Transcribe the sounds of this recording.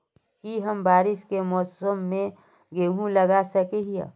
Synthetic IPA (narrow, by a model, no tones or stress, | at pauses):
kiɦəmbaːɾɪʃkemɔːsəmːẽ | ɡeɦũləɡasəkeɦija̰